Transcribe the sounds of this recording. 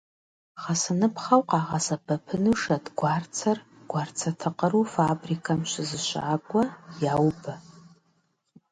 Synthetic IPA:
χasɨnɨpʰχawqʼɑːʁasabɐpʰɨnuʂadɡʷart͡sʰɐr | ɡ̥ʷart͡sʰatʰɨqʼəɾufabrikʰamʃʷɪzɨʃʷa̰ːkʷʼajawba

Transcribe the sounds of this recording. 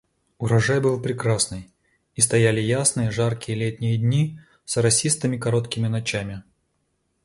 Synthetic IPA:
ʊɾɐʐajbɨlˠpɾʲɪkɾasnɨj | ist̪ɐjælʲɪjasnɨjəʐarkʲɪjəlʲet̪ʲnʲɪjədʲnʲi | səɾɐsʲist̪ɨmʲɪkɐɾo̞t̪kʲɪmʲɪnɐt͡ɕæmʲɪ

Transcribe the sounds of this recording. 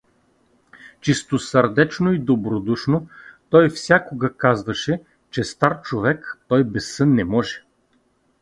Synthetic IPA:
t͡ʃist̪osəɾd̪ɛt͡ʃnoid̪obɾod̪uʃnot̪ɔjfsʲakoɡɐkazvɐʃɛ | t͡ʃɛst̪aɾt͡ʃovɛkt̪ɔjbɛsːɤnːɛmɔʒɛ

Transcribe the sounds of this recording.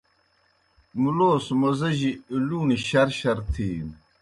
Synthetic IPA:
muloːsmɐzɐʑiiluːniɕɐɾɕɐɾt̪ʰiːn

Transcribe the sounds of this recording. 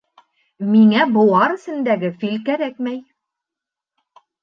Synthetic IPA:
miŋæbŏwɑɾɘ̆sɘ̆nd̪æɡɘfilkæɾækmæj

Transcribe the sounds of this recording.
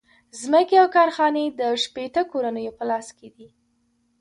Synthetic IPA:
zməkeawkɑɾxɑned̪əʃpet̪əkoɾanəjopəlɑsked̪i

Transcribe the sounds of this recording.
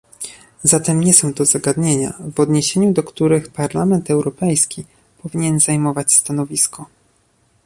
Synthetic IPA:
zat̪ɛmɲɛsɔ̃w̃t̪ɔzaɡad̪ɲeɲa̰vɔd̪ɲeɕeɲud̪ɔkt̪uɾɘxpaɾlamɛnt̪ɛwɾɔpɛjskʲi | pɔvʲiɲɛnzajmɔvat͡ɕst̪anɔvʲiskʰɔ

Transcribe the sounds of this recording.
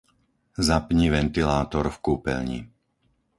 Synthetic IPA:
zapɲiʋɛnt̪ilaːt̪ɔɾfkuːpɛ̰lɲḭ

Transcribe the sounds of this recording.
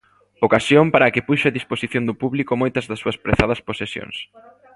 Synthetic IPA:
okasjompaɾɐːkɪpuʃeaðisposiθjond̪ʊpuβlikomojt̪ɐzðɐsːuɐspɾeθað̞ɐsposesjo̰ŋs

